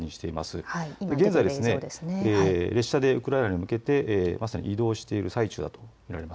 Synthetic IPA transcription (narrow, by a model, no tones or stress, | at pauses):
ɲĩɕi̥t̪e̞ima̰sɨad̪eɡẽ̞nzaid̪esɨne̞nːɾe̞ɕːad̪e̞ɯ̟kɯ̟ɾainaɲ̟imɯ̟ke̞t̪e̞ʔːmasaɲ̟ḭid̪o̞ːɕi̥t̪e̞iɾɯ̟sait͡ɕɨ̰ːd̪at̪o̞mʲiɾaɾe̞ma